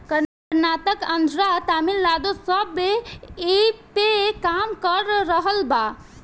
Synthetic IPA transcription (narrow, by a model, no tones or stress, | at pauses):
kəɾ | ɾnaːt̪əkənd̪ʱɾat̪aːmilːaːd̪osəbeepekaːmkəɾːəɦəlbaː